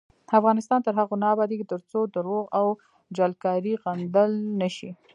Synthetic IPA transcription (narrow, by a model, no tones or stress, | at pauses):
afɣɑnɪst̪ɑnt̪əɾɦaɣonɑbɑd̪eɡit̪əɾt͡sod̪əɾoɣaw | d͡ʒalkɑɾiɣand̪əlnəʃi